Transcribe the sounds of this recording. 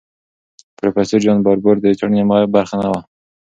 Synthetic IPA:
pɾofeseɾd͡ʒɑnbɑɾboɾd̪ət͡ʃaɽnemabaɾxanawa

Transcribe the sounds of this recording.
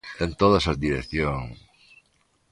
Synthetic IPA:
ent̪oðasazd̪iɾekθjoŋ

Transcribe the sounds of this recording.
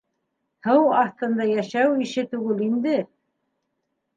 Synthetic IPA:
hɤwɑθt̪ɤ̆nd̪ɑjæʃæwiʃɘt̪ʉɡɘlind̪ɘ

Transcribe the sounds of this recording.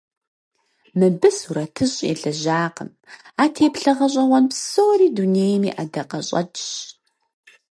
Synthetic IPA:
mɨbɨsuɾɐtʰɨɕʼḛːɮɐʑaːqəm | aːtʰeːpɬɐʁɐɕ̬ʼɐwɔnpsoːɾiːduneːjmḭːʔadɐqʼɐɕʼɐ̰d͡ʒɕ

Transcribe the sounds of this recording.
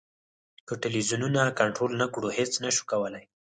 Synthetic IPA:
kəʈɪlwizununakaɳʈɾolnakɽuhet͡snaʃu̥kawəlaj

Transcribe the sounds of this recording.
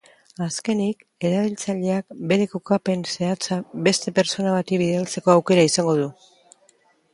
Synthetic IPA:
aske̞nik | e̞ɾaβilt͡saʎe̞ak̚be̞ɾe̞kokape̞nse̞at͡sabe̞st̪e̞pe̞ɾt͡so̞naβat̪iβiðealt͡se̞ko̞awke̞ɾaisaŋɡo̞ðu

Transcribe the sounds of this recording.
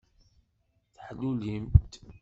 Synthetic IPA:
θħlːulimt̪

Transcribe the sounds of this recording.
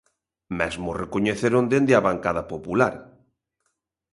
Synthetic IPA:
mɛzmʊrekoɲeθeɾõnd̪end̪eaβaŋkaðapopulaɾ

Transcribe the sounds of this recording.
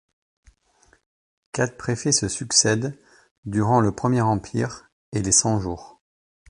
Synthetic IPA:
kat̪pχefɛsəsyksɛd̪ː | yʁɑ̃ləpχəmjɛʁɑ̃pʰiʁ | elesɑ̃ʒuːʁ

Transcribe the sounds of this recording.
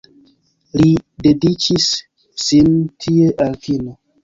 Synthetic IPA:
lidedit͡ʃisː | intʰieʔalfino

